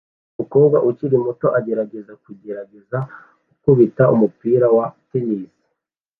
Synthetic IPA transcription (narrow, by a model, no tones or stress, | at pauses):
umuko̞ːbɡwaʔuciɾimuto̞ʔaɟe̞ɾaɡe̞zakuɟe̞ɾaɡe̞za | ɡukuβitaumupiːɾawateniːsi̥